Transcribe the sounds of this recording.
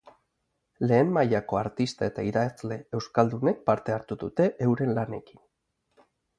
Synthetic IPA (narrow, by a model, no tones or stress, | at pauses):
le̞ːmmajako̞aɾt̪ist̪ae̞t̪aiðat͡sle̞e̞wskald̪une̞k̚paɾt̪e̞aɾt̪uðut̪e̞ʔewɾe̞nlane̞ki̥n